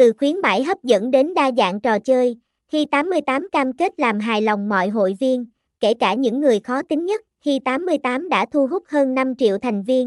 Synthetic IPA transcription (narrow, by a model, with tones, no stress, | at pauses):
t̪ɨ˨˩xwi˨˦ənma̰˧˩jɦə˦˥p̚zə̰˧˥nɗe˨˦nɗaː˧za̰ː˧˨nt͡ɕɔ˨˩t͡ɕəː˧j | hi˧t̪aː˨˦mːɨ˧əjt̪aː˨˦mkaː˧mke˦˥t̚laː˨˩mɦaː˨˩jla˨˩wŋ͡mmɔ̰˧˨jɦo̰˧˨jvi˧ən | ke˧˩kaː˧˩ɲɨ̰˧˥ŋːɨ˨˩əjxɔ˨˦t̪ï˨˦ŋ̟ɲə˦˥t̚hi˧t̪aː˨˦mːɨ˧əjt̪aː˨˦mɗa̰ː˧˥t̪ʰu˧ɦʊ˦˥k͡p̚həː˧nːa˧mt͡ɕḭ˧˨əwt̪ʰa˨˩jŋ̟vi˧ən